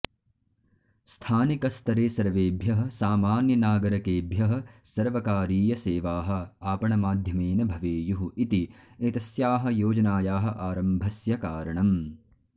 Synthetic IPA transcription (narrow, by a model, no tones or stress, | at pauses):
st̪ʰaːnikɐst̪ʰɐɾeːsɐɾʋeːbʱjɐɦɐ̆saːmaːnjɐnaːɡɐɾɐkeːbʱjɐɦɐ̆sɐɾʋɐkaːɾiːjɐseːʋaːɦɐ̆aːpɐɳɐmaːd̪ʱjɐmeːnɐbʱɐʋeːjuɦuit̪iet̪ɐsjaːɦɐ̆joːd͡ʒɐnaːjaːɦɐ̆ʔaːɾɐmbʱɐsjɐkaːɾɐɳɐm